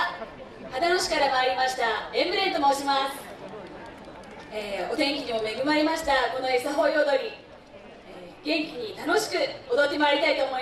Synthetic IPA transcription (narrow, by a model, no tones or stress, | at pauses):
had̪ano̞ɕi̥kaɾamaːɾʲimaɕi̥t̪aẽmbɯ̟ɾẽ̞nt̪omoːɕimasɨ̥ | eːo̞t̪ẽ̞ŋkʲiɲimo̞me̞ɡɯ̟maɾʲimaɕi̥t̪ako̞no̞esaɦo̞ːjod̪o̞ɾʲi | eːɡ̥ẽ̞ŋkʲiɲ̟it̪ano̞ɕi̥kɯ̟od̪o̞t̪ːe̞maːɾʲit̪ait̪o̞ːmo̞i